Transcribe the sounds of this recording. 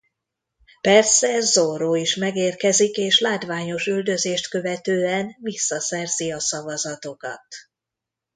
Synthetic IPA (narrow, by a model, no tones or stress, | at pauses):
pɛrsɛzoɾoːiʃmɛɡeːrkɛzikeːʃlaːt̪vaːɲo̞ʃyld̪ø̞zeːʃt̪kø̞vɛt̪øːɛnvisːɒsɛrz̥iɒsɒvɒzɒt̪o̞kɒ̰t̪